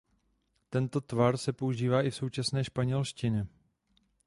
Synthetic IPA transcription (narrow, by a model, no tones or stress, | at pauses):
t̪ɛnt̪o̞t̪vaɾsɛpo̞uʒiːvaːʔɪfso̞wt͡ʃasnɛːʃpaɲɛlʃcɪnɛ